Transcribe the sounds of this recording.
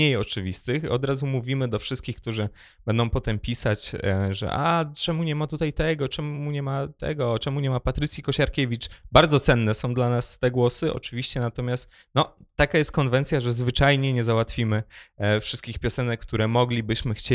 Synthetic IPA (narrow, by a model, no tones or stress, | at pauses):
ejɔt͡ʂɘvʲist̪ɘxɔ̰d̪ɾazumuvʲimɘd̪ɔfʂɨst̪kʲixk̚t̪uʐɘ | b̥ɛnd̪ɔ̃w̃pɔt̪ɛmpʲisat͡ɕʐɛ̰ʔa̰t͡ʂɛmuɲɛmat̪ut̪ajt̪ɛɡɔt͡ʂɛmuɲɛmat̪ɛ̰ɡɔt͡ʂɛmuɲɛmapat̪ɾɘt̪sʲjikɔɕaɾkʲevʲit͡ʂbaɾd̪zɔt̪sɛnːɛsɔ̃w̃d̪lanast̪ɛɡwɔsɘʔɔ̰t͡ʂɘvʲiɕt͡ɕɛnat̪ɔmʲjast̪ | nɔt̪ːakajɛst̪̚kɔnvɛnt̪sʲjaʐɛzvɘt͡ʂajɲɛɲɛzawat̪fʲimɘfʂɘst̪̚kʲixpʲjɔsɛnɛkːkt̪uɾɛmɔɡlʲibɘɕmɘxt͡ɕe